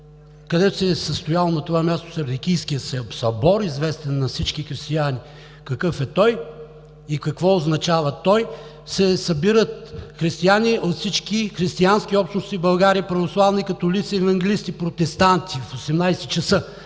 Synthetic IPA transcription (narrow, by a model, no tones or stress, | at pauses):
kɐd̪ɛt̪ʊ̥sɛsəst̪ʊjalˠonɐt̪ovamʲjast̪o̥sɛɾd̪ikʲijskijəsɛsɐbɔɾizvɛst̪ɛnːɐfsit͡ʃkixɾist̪iani | kɐkɤfɛt̪ɔj | ikɐkvɔoznɐt͡ʃavət̪ɔj | sɛsɐbiɾət̪xɾist̪ianiʔot̪fsit͡ʃk̟ixɾist̪iansk̟iɔpʃt̪nʊst̪ibɐlˠɡaɾiːpɾɐvoslˠavnikɐt̪olit̪sɛɛvɐŋɡʲɛliskipɾot̪ɛst̪ant̪ifosɛmnajsɛt͡ʃɐsə